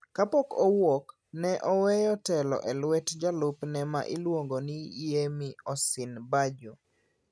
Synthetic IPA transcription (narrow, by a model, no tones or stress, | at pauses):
kapɔkowok | nɛʔɔwɛjɔtɛlɔ̰ʔɛlwɛtd͡ʒalʊpnɛma̰ʔilwoŋɡonijemiɔsɪnbad͡ʒo